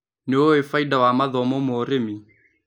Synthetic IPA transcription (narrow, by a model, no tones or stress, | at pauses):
neoefaidawamaðɔmɔmoːɾemi